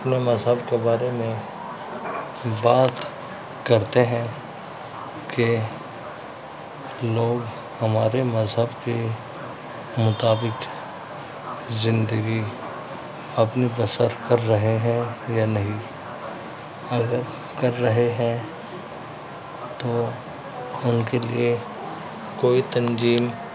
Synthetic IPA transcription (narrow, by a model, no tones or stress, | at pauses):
ɐɐpnemɐzɦəbkebaːɾemẽ | baːt̪ | kɐɾt̪eɦɛ̃ | ke | loːɡ | hɐmaːɾemɐzɦəbke | mʊt̪aːbɪk | zɪ̃nd̪əɡi | ɐpnibɐsəɾkɐɾːɐɦeɦɛ̃janɐɦĩ | ɐɡəɾ | kɐɾːɐɦeɦɛ̃ | t̪oː | ʊnkelie | koːit̪ɐ̃nd͡ʒiːm